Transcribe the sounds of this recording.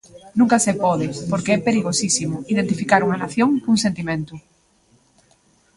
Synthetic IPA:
nũŋkɐsepɔðɪpoɾkeɛpeɾiɣosisimʊiðent̪ifikaɾuŋɐnaθjoŋkuŋsẽnt̪imẽnt̪ʊ

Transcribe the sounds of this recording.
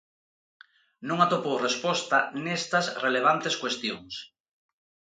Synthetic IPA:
nũŋat̪opowrespɔst̪ɐnest̪ɐsreleβ̞ant̪eskwest̪joŋs

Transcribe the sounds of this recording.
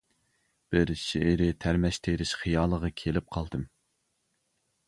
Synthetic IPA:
b̥ɪɾʃeɪɾɪt̪ʰæɾmɛʃt̪ʰeɾɪʃχijɑːlˠəʁɑkʲʰelɪp̚qʰɑlˠd̪ɨm

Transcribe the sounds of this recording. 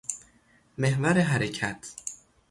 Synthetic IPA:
me̞hvæɾeɦæɾecʰæt̪ʰ

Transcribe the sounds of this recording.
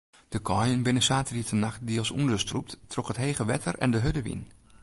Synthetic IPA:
d̥əkʰɔjənbɪnəsaːtəritənaxt̚dilˠsṵndəstrup̚ttʰrɔkhətɦeːχəʋɛtʰərɛ̰ndəɦødəʋḭn

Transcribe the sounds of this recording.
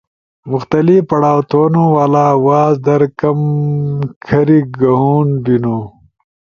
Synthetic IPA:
mʊxt̪ɐlipɐɽaːwt̪ʰoːnowaːlaːwaːzd̪ɐɾkɐm | kʰɐɾiɡɐɦuːnbinoː

